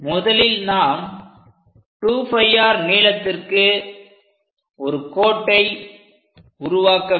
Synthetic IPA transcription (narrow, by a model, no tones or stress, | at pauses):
mʊðɐlɪlnaːm | ʈuːfɐjːaːɾniːlɐt̪ːɪrkɯ | ɔɾɯkoːʈːɐɪ | ʊɾʊʋaːkɐ